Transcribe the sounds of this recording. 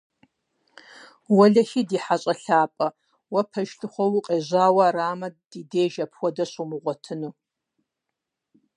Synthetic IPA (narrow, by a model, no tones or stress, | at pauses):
wɐɮɐxiːdiːħaɕʼɐɬaːpʼɐ | wɐpʰɐʒɬʰɨχʷɔwʊqʼeːʑaːwɐraːmɐdiːdeːʒɐpʰxʷɔdɐɕʼumɨʁʷɔtʰɨnuː